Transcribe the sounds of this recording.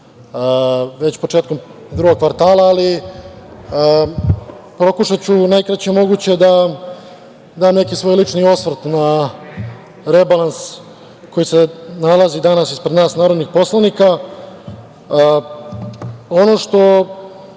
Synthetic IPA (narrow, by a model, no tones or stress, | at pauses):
ʋe̞t͡ɕpot͡ʂeːt̪ko̞m | d̪ɾuɡo̞kʋaɾt̪aːlˠaːli | pɾo̞kuʃat͡ɕunajkɾat͡ɕemo̞ɡuːt͡ɕe̞d̪a | d̪aːmne̞kisʋo̞jlit͡ʂnio̞sʋɾt̪na | ɾe̞balans | ko̞jisenalˠazid̪anasispɾed̪naːsnaːɾo̞d̪nixpo̞slanika | o̞noːʃt̪o̞